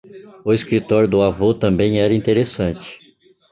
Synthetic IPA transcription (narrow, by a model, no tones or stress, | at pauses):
ʊeskɾit̪ɔɾjʊd̪ʊavot̪ɐ̃mbẽj̃ɛɾɐĩt̪eɾesɐ̃nt͡ʃɪ̥